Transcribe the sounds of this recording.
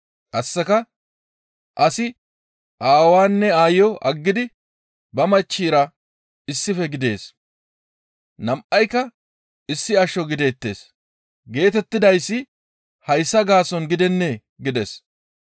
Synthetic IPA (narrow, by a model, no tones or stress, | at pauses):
ʔɐsːɛkɐ | ʔɐsɪ | ʔaːwaːnːɛaːjjɔʔɐɡːɪd̪ɪ | bɐmɐt͡ʃːiːɾɐ | ɪsːɪfɛɡɪd̪e̞ːs | nɐmʔɐjkɐ | ɪsːɪɐʃɔɡɪd̪eːt̪ːe̞̰ːs | ɡe̞ːt̪ɛt̪ːɪd̪ɐjsːɪ | hɐjsːɐɡaːsɔnɡɪd̪ɛnːɛ | ɡɪd̪ɛs